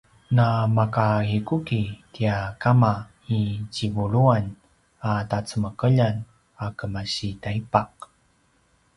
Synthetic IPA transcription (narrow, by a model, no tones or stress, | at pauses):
namakahikukitiakama | it͡ɕivuɭuan | atat͡səməkəʎan | akəmaɕitaipaq̚